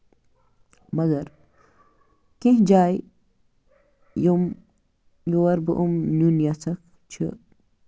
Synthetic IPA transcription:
mɐɡɐɾ | kĩɦd͡ʒaːj | jum | juwɐɾbɨʔumnunjat͡sʰɐk | t͡ʃʰḭ

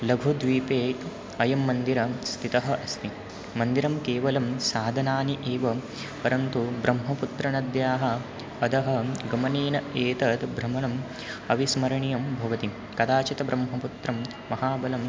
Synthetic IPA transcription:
lɐɡʱud̪ʋiːpeːʈ | ɐjɐmːɐnd̪iɾɐst̪ʰit̪ɐɦɐ̆ʔɐst̪i | mɐnd̪iɾɐmkeːʋɐlɐmsaːd̪ʱɐnaːniʔeːʋɐ | pɐɾɐnt̪ubɾɐmɦɐput̪ɾɐnɐd̪jaːɦɐ | ɐd̪ɐɦɐ̆ɡɐmɐniːnɐeːt̪ɐt̪bʱɾɐmɐɳɐm | ɐʋismɐɾɐɳijɐmbʱɐʋɐt̪i | kɐd̪aːt͡ʃit̪ɐbɾɐmɦɐput̪ɾɐmː | ɐɦaːbɐlɐm

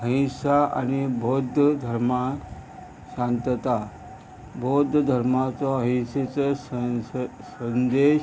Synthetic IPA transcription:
ɦəɦĩsaa̰nibʱod̪ʱd̪ʱəɾma | ɕãnt̪ət̪a | bʱod̪ʱd̪ʱəɾmat͡sɔɦəɦĩset͡səs | sənd̪e

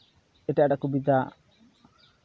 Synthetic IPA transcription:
ɛʈɛjaʈakubid̪a

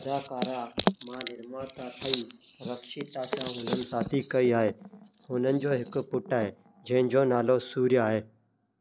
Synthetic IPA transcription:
d̪aːkaːɾaːmãːnɪɾmãːt̪aːt̪ʰəĩːɾəkʃiːt̪aːt͡ʃãːɦʊlənsaːt̪ʰiːkəiaːɦeː | hʊnənɪ̆d͡ʒoːɦɪkpʊʈaːɦeː | d͡ʒɐɦɪ̃nd͡ʒoːnaːlosuːɾjaːɦeː

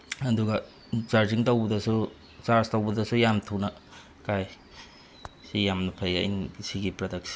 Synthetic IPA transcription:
ɐduɡɐ | saɾziŋtowbɐdɐsu | saɾstɐwbɐdɐsujamtʰuwnɐ | kaj | sijamnɐpʰajɡaḭnisiɡipɾɐdɐk̚si̥

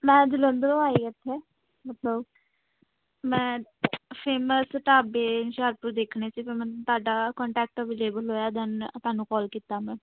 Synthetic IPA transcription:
mɛ̃ːd͡ʒɪlə̃nd̪lõaːiːət̪ʰːeː | mət̪ləb | mɛ̃ːpʰeːməsʈaːbeːnʃaːɾpʊɾd̪eːkʰneːsiːpɪmɛ̃nt̪ʊaːɖaːkɔːɳʈɛːk̚ʈːʋeːleːbəlɦoːjaːd̪ənt̪aːnũːkɔːlkiːt̪aːmɛ̃ː

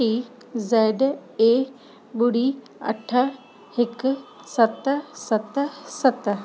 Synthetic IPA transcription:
i | zeːɖe | buɽi | ɐ̰ʈʰːə | hɪk | sɐt̪sɐt̪sɐt̪

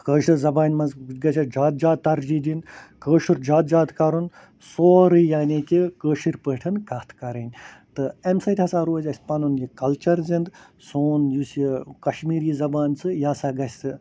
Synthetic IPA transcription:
kəːʃɨzɐbaːnʲmɐnzɡɐsʲad͡ʒaːt̪̚d͡ʒaːt̪̚t̪ːɐɾd͡ʒiːd̪inkəːʃuɾd͡ʒaːt̪̚d͡ʒaːt̪kɐɾun | soːɾɨjaːnʲeːkʲikəːʃiɾpəːʈʰɨnkɐːt̪ʰkɐɾɐnʲt̪ɨemsɐt̪ʲɐsaːɾoːzʲɐsʲpɐnunjikɐlt͡ʃɐɾzind̪soːnjusikɐʃmiːɾiːzɐbaːnsɨjaːsaːɡɐsʲt̪ɨ

